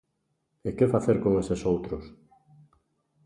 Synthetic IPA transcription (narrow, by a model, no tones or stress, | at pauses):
ekefaθeɾkoŋesesowt̪ɾos